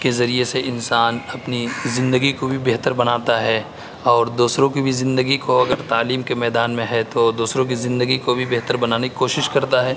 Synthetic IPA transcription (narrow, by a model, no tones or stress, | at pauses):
kezɐɾieseɪnsaːnɐpnizɪ̃nd̪əɡikobʱibɛɦt̪əɾbɐnaːt̪aɦɛ | ɔːɾd̪uːsɾõkibʱizɪ̃nd̪əɡikoɐɡəɾt̪aːliːmkemɛːd̪aːnmẽɦɛt̪od̪uːsɾõk̬izɪ̃nd̪əɡikobʱibɛɦt̪əɾbɐnaːneki̥koːʃɪʃkɐɾt̪aɦɛː